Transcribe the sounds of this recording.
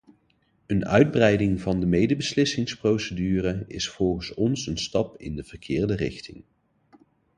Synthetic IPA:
ənœ̰ɥd̚brɛjdɪŋvɑndəmejdəbəslɪsɪŋsprowsədyːrəɪ̰sfɔlˠχənsɔnsənstɑpɪ̰ndəv̥əɹkʰɪːɹdərɪχtɪ̰ŋ

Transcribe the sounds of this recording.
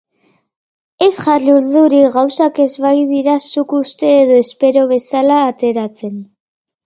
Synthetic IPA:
e̞sʝaruɾðuɾiɣawsake̞zβajðiɾasukust̪e̞ːðo̞espe̞ɾo̞β̞e̞salaːt̪e̞ɾat͡se̞n

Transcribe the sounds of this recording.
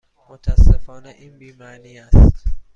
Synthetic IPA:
mʊtaasɛfanaʔimbimanias

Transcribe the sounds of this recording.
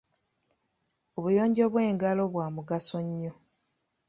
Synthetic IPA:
o̞βujo̞ːɲɟo̞βwe̞ːŋɡalo̞βwaːmuɡasoɲːo̞

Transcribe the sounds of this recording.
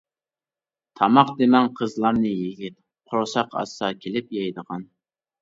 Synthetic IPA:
t̪ʰɑmɑqd̪emɛnqʰəzlˠɑɾnɨjiɡʲit̪̚ | qʰoɾsɑqɑ̰sːɑkʲʰelɪpjɑjd̪əʁɑn

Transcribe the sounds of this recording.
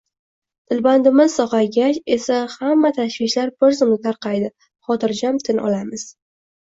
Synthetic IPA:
t̪ʰɪlband̪ɪmɪz̥sɒqɑjɡʲat͡ʃe̞sahamːat̪ʰaʃvɪʃlaɾbɪɾzʊmnɪt̪ʰaɾqɑjd̪ɪ | χɒt̪ʰɪɾd͡ʒamt̪ʰɪnʔɒ̰lamɪz̥

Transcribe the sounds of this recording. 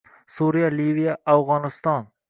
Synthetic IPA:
suɾɪjalivijaawʁɒnɪst̪ɒn

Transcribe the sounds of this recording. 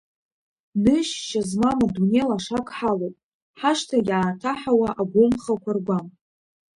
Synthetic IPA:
nɨʃʃazmamadunelaʂakʰʼħalowpʼ | ħaʂtʰajaːtʰaħawaʔaɡʷʊmχakʷʰarɡʷam

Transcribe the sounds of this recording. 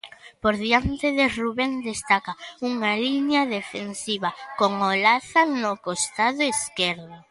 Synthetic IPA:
poɾðiant̪eðeruβend̪est̪akauŋaliɲɐðefensiβɐkoŋolaθanʊkost̪aðʊeskɛɾðʊ

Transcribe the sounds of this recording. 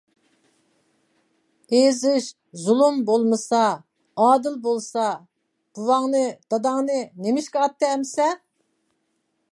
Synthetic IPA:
ezɪʃ | zulˠumbolˠmɨsɑ | ɑːd̪ɨlˠbolˠsɑ | b̥uwɑŋnɨd̪̥ɑd̪ɑŋnɨnemɪʃkʲɛɑt̪ːɨɛmsɛ

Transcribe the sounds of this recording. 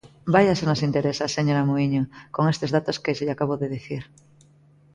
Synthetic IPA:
baʎasenosint̪eɾesaseɲoɾamuiɲokoŋest̪ezðat̪oskeʃeʎakaβoðeðeθiɾ

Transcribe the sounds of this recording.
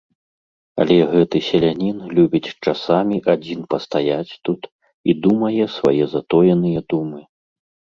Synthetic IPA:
ɐ̰lʲɛɣɛt̪ɨsʲɛlʲanʲinlʲubʲit͡sʲt͡ʂasamʲiʔad͡zʲinpɐst̪ajat͡sʲt̪ut̪ | id̪umɐjɛsva̰jɛzat̪ɔjɐnɨjɛd̪umɨ

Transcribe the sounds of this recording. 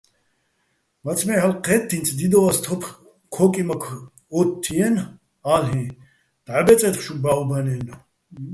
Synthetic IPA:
mat͡sʰmɛħalqʰʼɛt̪ʰːint͡s̪ʰd̪id̪ɔvast̪ʰɔpʰχ | kʰɔkʼimakʰ | ɔt̪ʰːiɛn | alɦĩ | d̪̥ʕabɛt͡sʼɛt̪χʃubaubaniɛn

